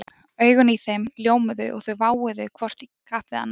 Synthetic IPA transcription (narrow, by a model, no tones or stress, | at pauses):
œːɥɣʏniθejmljoːwmʏðʏ̰ʔɔ̰ɣθœɥvaːwɪðʏkʰvɔr̥t̪ikʰɾaːhpɪða̰nː